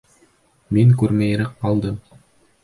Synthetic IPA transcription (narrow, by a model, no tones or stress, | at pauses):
miŋkʉɾmæj̆ɾɘqːɑlˠd̪ɤm